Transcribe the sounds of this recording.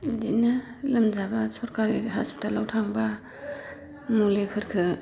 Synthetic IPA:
dina | lɐmzabɐsɔɾkaɾiɦasptʰalawtʰaŋba | mulekʰɯɾkʰɯ

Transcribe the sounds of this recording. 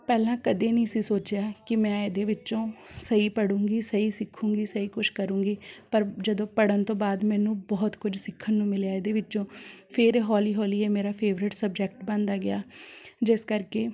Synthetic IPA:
pɛːlãːkəd̪eːnĩːsĩːsoːt͡ʃɪjaːkɪmɛ̃ːed̪eːʋɪt͡ʃõːsəiːpəɽũːɡiːsəiːsɪkʰːũːŋɡiːsəiːkʊʃkəɾũːŋɡiːpəɾd͡ʒəd̪õːpəɽənt̪õːbaːd̪mɛ̃ːnũːbɔːt̪kʊd͡ʒsɪkʰːənːũːmɪlejaːeːd̪eːʋɪt͡ʃːõːpʰɪɾɦɔːliːɦɔːliːɛːmeːɾaːpʰeːʋɾɪʈsəb̚d͡ʒɛk̚ʈbə̃nd̪aːɡɪaːd͡ʒɪskəɾkeː

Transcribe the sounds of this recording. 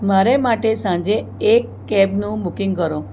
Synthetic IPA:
maɾemaʈesãd͡ʒeːkːɛbnũbukĩŋɡkəɾõ

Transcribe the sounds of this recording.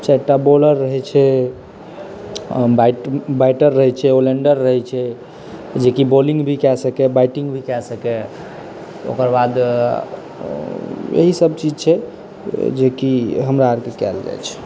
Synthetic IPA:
t͡ʃɛʈːaboləɾːəɦɛt͡ʃʰɛ | bajʈbaɪʈəɾːəɦɛt͡ʃʰɛoleɳɖəɾːəɦɛt͡ʃʰɛ | d͡ʒekibolĩŋɡbʱikɛsəkɛbaɪʈĩŋɡbʱikɛsəkɛ | o̰kəɾbad̪ | jḛɦisəbt͡ʃid͡ʒt͡ʃʰɛ | d͡ʒekiɦəmɾaəɾkekɛ̰ld͡ʒa̰jt͡ʃʰɛ̥

